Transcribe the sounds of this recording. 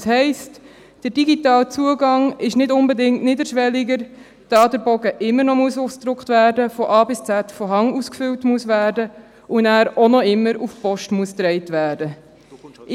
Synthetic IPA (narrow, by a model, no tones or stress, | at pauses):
shɛɪst | d̥ərd̥iɡitɑːlt͡suəɡɑŋɪʃnɪdʊnbədɪŋtnɪdəɾʃʋɛliɡəɾ | d̥ɑːdəɾbɔɡəʔɪmːəɾnɔmuəsusd̥ɾʊkχtvæːɾdəfɔʔɑːbɪst͡sætfɔɦɑŋuskfʏwtmuəsvæːɾdə | ʔʊnæːɾɔnɔɪmːəɾufpɔʃtmuəst̪ɾɛɪtvæːɾdə